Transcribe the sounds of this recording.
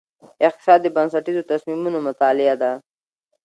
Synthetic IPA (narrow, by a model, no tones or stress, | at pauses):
ɪq̚t̪ɪ̥sɑd̪ːəbansaʈizot̪asmimunomʊt̪ɑlɪad̪a